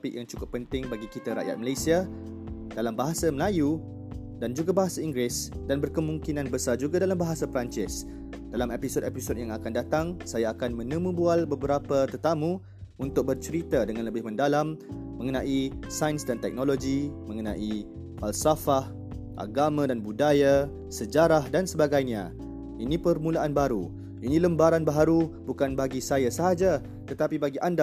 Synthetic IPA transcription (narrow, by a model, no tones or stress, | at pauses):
pɪk̚jaŋt͡ʃukʊpːənt̪ɪŋbaɡikit̪aɾa̰ʔja̰t̪̚məlajsia | d̥alambaɦasaməlaju | dand͡ʒuɡabaɦasaiŋɡɾɪsdanbərkəmũŋkinãnbəsad͡ʒuɡadalambaɦasapɾant͡ʃɪs | d̥alamepisodepisot̚jaŋakandat̪aŋsajaːkanmə̃nəmũbualbəbəɾapət̪ərt̪amũ | unt̪ʊk̚bərt͡ʃəɾit̪adəŋãnləbɪhmə̃ndalamːə̃ŋənãʔisajənsdant̪ɛ̰k̚noloɡimə̃ŋənãʔi | falsafah | ʔa̰ɡamãdanbudaja | səd͡ʒaɾahdansəbaɡajɲã | inipərmũlaʔanbaɾu | inĩləmbaɾanbaɦaɾubukanbaɡisajasəɦad͡ʒa | t̪ət̪apibaɡiʔanda